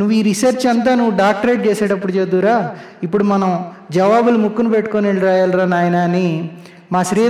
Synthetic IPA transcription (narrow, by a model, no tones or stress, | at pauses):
nuʋːuiːɾisɐɾt͡ʃɐnt̪̬aːnuʋːuɖaːk̚ʈɐɾeːʈ̚t͡ʃeːsaːɽɐpːuɽut͡ʃed̪ːuːɾaː | ipːuɽumɐnɐm | d͡ʒɐʋaːbulumukːunupeʈːu̥koneɭɾaːjaːlɾaːnaːjnɐni | maːʃɾiː